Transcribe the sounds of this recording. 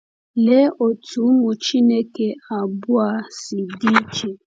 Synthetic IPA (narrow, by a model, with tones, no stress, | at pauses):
le˦o˨tʰu˨˦mʊ˨t͡ʃi˦ne˦ke˨a˨bʊ˦a˨si˨di˦t͡ʃe˨